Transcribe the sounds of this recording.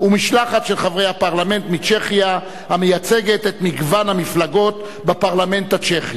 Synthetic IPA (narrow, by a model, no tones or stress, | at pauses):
umiʃlaχatʃelχavʁe̞jhapaʁlame̞nt̪mit͡ʃe̞χja | hamejat͡seɡet̪et̪miɡvanhamiflaɡo̞t | bapaʁlame̞ntat͡ʃeχi